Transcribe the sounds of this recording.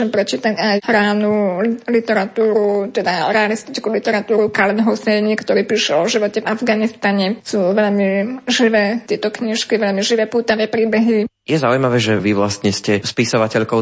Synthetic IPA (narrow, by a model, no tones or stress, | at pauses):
ɛmpɾɛt͡ʃiːt̪acajhɾaːnulit̪ɛɾat̪uːɾut̪ɛd̪aɾɛalist̪it͡ʃkulit̪ɛɾat̪uːɾukalɛnɦɔsɛɲikt̪ɔɾiːpiːʃɛɔʒiʋɔcɛvavɡanist̪aɲɛsuːʋɛʎmiʒiʋɛːt̪ɪɛt̪ɔkɲiʃkiʋɛʎmiʒiʋɛːpuːt̪aʋɛːpɾiːbɛɦi | jɛzaujmaʋɛːʒɛʋiʋlast̪ɲɛscɛspisɔʋacɛʎkɔʊ